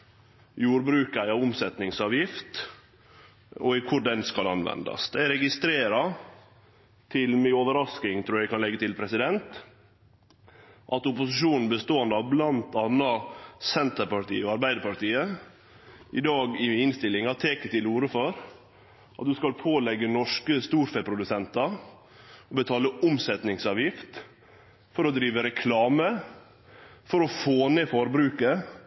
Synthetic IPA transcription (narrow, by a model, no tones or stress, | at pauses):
juːɾbɾʉːkæɪɑʋʊmsɛt̪nɪŋsɑːʋjɪft̪ | ɔɪkʰʊɖɛnskɑlɑnʋɛ̰nd̪ɑ̰sd̪æɪæɾɛɡɪst̪ɾeːɾɑ | t̪ʰɪlmɛoːʋəɾɑsknɪŋt̪ʰɾuːɾjæɪkɑnlɛɡːət̪ɪlpʰɾɛsɪd̪ɛnt̪ | ʔɑt̪ʊpʊsɪʃuːnn̩bəst̪oːənd̪əɑʋblɑnt̪ʰɑːnːɑsɛnt̪əɾpɑʈḭːoɑɾbæɪd̪əɾpɑʈiːə | ʔɪd̪ɑːɡɪɪnst̪ɪlːɪŋɑt̪ʰeːkət̪ʰɪluːɾəfɔɾ | ʔɑt̪̚d̪ʉskɑlpʰoːlɛɡːənɔʂkəst̪uːɾfɛpʰɾʊd̪ʉsɛnt̪ɑ | ɔbət̪ʰɑːləʔʊmsɛt̪nɪŋsɑːʋjɪft̪ | fɔɾɔd̪ɾiːʋəɾɛkʰlɑːmə | fɔɾɔfoːneːfɔɾbɾʉːkə